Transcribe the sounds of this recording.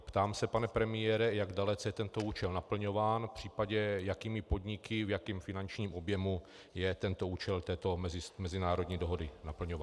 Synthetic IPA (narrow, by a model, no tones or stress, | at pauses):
pt̪aːmsɛpanɛpɾɛmɪjɛɾɛjaɡdalɛt͡sɛjɛt̪ɛnt̪o̞uːt͡ʃɛlnapl̩ɲo̞vaːnfpr̝̥iːpaɟɛjakiːmɪpo̞dɲɪkɪvjakiːmfɪnant͡ʃɲiːmʔo̞bjɛmu | jɛt̪ɛnt̪o̞uːt͡ʃɛlt̪ɛːt̪omɛzɪsmɛzɪnaːɾo̞dɲiːdoɦo̞dɪnapl̩ɲovaː